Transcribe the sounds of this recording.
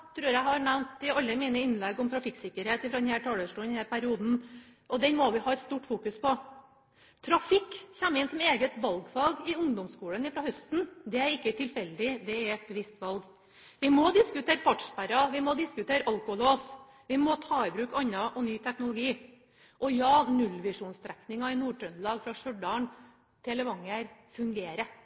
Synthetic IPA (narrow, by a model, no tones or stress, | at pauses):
t̪ʰɾʉːɾjæɪhɑɾnæʋnt̪ɪɑlːəmiːnəɪnlɛɡɔmt̪ʰɾɑfɪksɪkːəɾheːt̪ɪfɾɑd̪ɛnhæːʈʰɑːləʂʈuːɛnhæːɾpæɾɪuːd̪n̩ʔɔd̪ɛnmɔʋɪhɑːɛt̪st̪uːʈfuːkʉspʰɔ | t̪ʰɾɑfɪkːçɛmːəɪnsɔmeːɡət̪ʋɑlɡfɑlɡɪʊŋd̪ɔmskuːlənɪfɾɑhœst̪nd̪ɛæɾɪkːət̪ʰɪlfɛlːəd̪ɪd̪ɛæɾɛt̪̚bəʋɪst̪ʋɑlɡ | ʋɪmɔd̪ɪskʉt̪ʰeːɾəfɑʈʂpæɾɑʋɪmɔd̪ɪskʉt̪ʰeːɾʔɑlkʊloːs | ʋɪmɔt̪ʰɑːɪbɾʉːkɑɲːɑʔɔnyːt̪ʰæknʊlʊɡiː | ʔɔjɑːnʉlʋɪʂuːnst̪ʰɾɛknɪŋɑɪnuːʈʰɾœnlɑːɡfɾɑʂœɖɑɳ | t̪ʰɪɛləʋɑŋːəɾfʉŋɡeːɾə